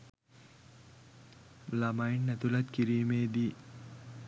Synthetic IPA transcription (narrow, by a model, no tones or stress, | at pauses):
lamajnːɛt̪ulat̪kiɾiːmeːd̪i